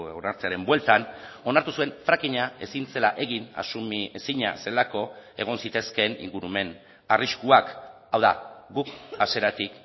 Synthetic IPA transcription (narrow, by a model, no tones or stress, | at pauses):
onaɾt͡se̞aɾe̞mbwe̞lt̪ano̞naɾt̪usue̞ɱfɾakiɲae̞sint͡se̞laʔe̞ɣina̰sumesiɲa̰se̞lako̞e̞ɣ̞o̞nsit̪e̞ske̞nḭŋɡuɾume̞n | ariskuak | awða̰ɡukase̞ɾat̪ik